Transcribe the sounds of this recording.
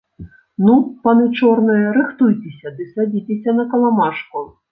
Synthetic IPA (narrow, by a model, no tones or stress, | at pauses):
nupɐnɨt͡ʂɔrnɐjɐɾɨxt̪ujt͡sʲesʲɐd̪ɨsad͡zʲit͡sʲesʲɐnɐkɐlˠamaʂku